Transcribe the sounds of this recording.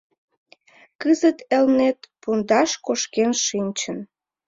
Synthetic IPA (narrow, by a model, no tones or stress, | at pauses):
kəzət̪elnet̪pund̪ɑʃkoʃkenʃinʲt͡ɕən